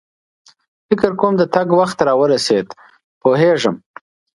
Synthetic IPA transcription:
fɪkəɾkomd̪ət̪aɡwaxt̪ɾɑwəɾased̪ | poɦeʐəm

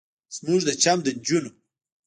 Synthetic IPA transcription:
z̥muʐd̪ət͡ʃamd̪əɲd͡ʒuno

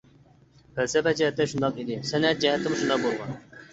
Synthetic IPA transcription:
fælsɛpɛd͡ʒɛɦɛt̪ːɛʃund̪ɑqid̪ɪsɛnɛt̪̚d͡ʒɛɦɛt̪ʰːɪmɪʃund̪ɑq̚bolˠʁɑn

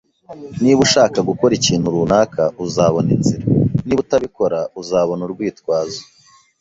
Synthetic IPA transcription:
niβuʃaːkaɡuko̞ɾiciːn̥huɾunaːkʰaʔuzaːβo̞ninziɾaniβutaβiko̞ɾauzaːβo̞nuɾɡwiːtkwaːzo̥

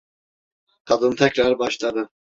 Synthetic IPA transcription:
kʰad̪ɯnt̪ʰɛkɾaɾbɑʃlˠad̪ɯ

